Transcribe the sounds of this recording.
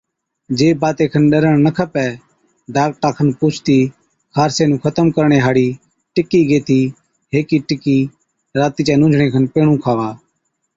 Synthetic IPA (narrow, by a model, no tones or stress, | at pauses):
d͡ʒeːbaːt̪eːkʰənɗəɾəɳ̃nəkʰəpɛː | ɖaːk̚ʈaːkʰənpʊːt͡ʃʰt̪iː | kʰaːɾseːnũːkʰət̪əmkəɾɳeːɦaːɽiː | ʈɪkːiːɡeːt̪ʰiː | ɦeːkiːʈɪkiː | ɾaːt̪iːt͡ʃɛːnʊ̃ːd͡ʒʱɽeːkʰənpeːɽũːkʰaːʋaː